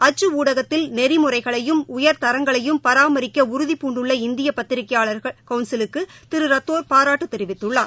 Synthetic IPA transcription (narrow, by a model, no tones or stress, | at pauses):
ɐt͡ʃːɯuːɽɐɣɐt̪ːɪlnɛɾɪmʊrɐɪɣɐɭɐjɯmʊjɐɾt̪ɐɾɐŋɡɐɭɐjɯmpɐɾaːmɐɾɪkːɐʊɾʊðipuːɳɖɯɭːɐɪnd̪ɪjɐpɐt̪ːɪɾɪkːɐjaːɭɐɾɣɐɭkɐʊnsɪlɯkːɯt̪ɪɾɯɾɐt̪ːoːɾpaːɾaːʈːɯt̪ːɛɾɪʋɪt̪ːɯɭːaː